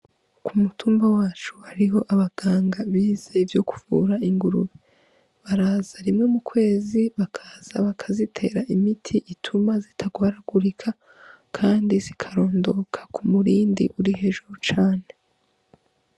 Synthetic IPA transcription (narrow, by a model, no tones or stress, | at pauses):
kumutuːmbawaːt͡ʃuhaɾiɦo̞ʔaβaɡ̥aːŋɡaβiːzevjo̞ku̥vṵɾaiŋɡuɾuβi | βaɾaːzaɾimŋe̞mukwe̞ːziβakʰaz̥aβakʰazitʰe̞ːɾaʔimitʰiʔitʰumazitʰaɡwaːɾaɡuɾikʰa | kʰaːndizikʰaɾo̞ːndo̞kʰḁkumuɾiːndḭʔuɾiɦe̞ʒuɾut͡ʃaːne̞